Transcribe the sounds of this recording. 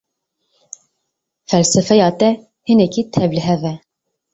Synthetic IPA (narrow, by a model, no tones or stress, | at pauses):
fɛlsɛfɛjɑːt̪ɛ | hɨnɛkʰit̪ʰɛblɪɦɛvɛ